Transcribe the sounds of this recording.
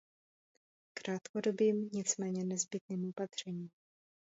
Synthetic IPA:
kɾaːt̪kodo̞biːmɲɪt͡smɛːɲɛnɛzbɪt̪̚niːmopat̪r̝̥ɛɲiːm

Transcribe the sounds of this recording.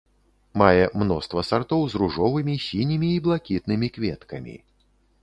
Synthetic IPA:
majɛmnɔst̪vɐsart̪ɔwzruʐɔvɨmʲisʲinʲimʲiːblˠakʲit̪nɨmʲikvʲɛt̪kɐmʲḭ

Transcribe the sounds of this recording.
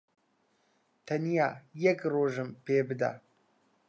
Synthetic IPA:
t̪ʰanijaːjɛkroːʒɨmpeːbɨd̪a̰

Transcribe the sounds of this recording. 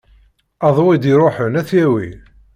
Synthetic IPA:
ɑðˤwid̪iɾˤoħənæθjæwi

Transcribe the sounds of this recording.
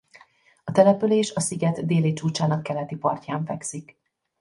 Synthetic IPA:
ɒt̪ɛlɛpyleːʃɒsiɡɛd̪d̪eːlit͡ʃuːt͡ʃaːnɒkːɛlɛt̪ipɒrcaːɱfɛksik

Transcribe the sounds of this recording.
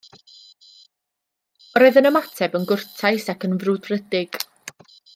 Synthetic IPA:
ɾɔɨðənəmatʰɛbənɡʊrtʰajsakʰənvrʊdrədɪɡ̥

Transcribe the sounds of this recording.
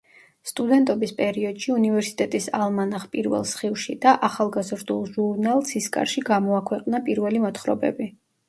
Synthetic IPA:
st̪ʼud̪ɛnt̪ʼɔbispʼɛɾiɔd̪̥ʃiunivɛɾsi̥t̪ʼɛt̪ʼisa̰lˠmanaχpʼiɾvɛ̰lˠsχivʃid̪̥aʔaχalˠɡazɾd̪ulˠʒuɾnalˠsiskʼa̰ɾʃiɡamɔakʰwɛqʼnapʼiɾvɛlimɔt̪χɾɔ̰bɛ̰bi

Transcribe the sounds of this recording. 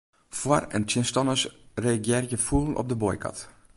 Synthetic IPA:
fwarə̰ntjɪnstɔnəsreːɡjɛrjəfulˠən̩ʔɔ̰p̚dəbojkʰɑ̰t

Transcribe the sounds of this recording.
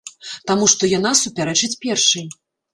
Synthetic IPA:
t̪amuʂt̪ɔjan̪asupʲaɾɛt͡ʂɨt͡sʲpʲɛrʂɨj

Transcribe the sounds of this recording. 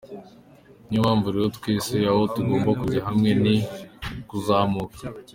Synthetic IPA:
ɲumaːɱvuɾijotkwiːsijahotuɡo̞ːmbakuɟaɦamŋe̞nikuzaːmukḁ

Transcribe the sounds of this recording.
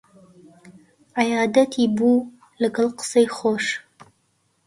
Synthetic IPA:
ʕajaːd̪ɐt̪ʰiːbu | lɨɡɨlˠqə̥sejχoːʃ

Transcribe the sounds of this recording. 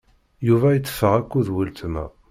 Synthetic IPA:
juvæjət͡sːə̥fːəʁækʷːuðwilt̪əmæ̰

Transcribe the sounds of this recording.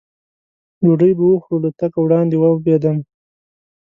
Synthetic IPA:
duɖəjbawəxɽulat̪akawɽɑnd̪ewabed̪am

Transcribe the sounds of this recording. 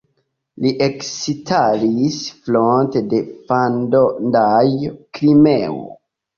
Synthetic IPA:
liʔeksitʰalisflontede̞fandondajkɾimeo̰

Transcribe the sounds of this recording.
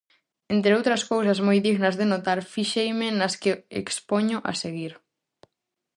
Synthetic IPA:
ent̪ɾeowt̪ɾɐskowsɐzmojðiɣnɐzðenot̪aɾfiʃejmɪnɐskeḛkspoɲʊʔa̰seɣiɾ

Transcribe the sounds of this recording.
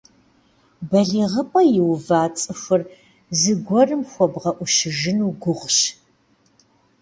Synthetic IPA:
bɐɮiːʁəpʼɐjɪwvaːt͡sʼɨxʷɨr | zɨɡʷɔrɨmxʷɔbʁɐʔʷʊʃɪʒɪnuːɡʷʊʁɕ

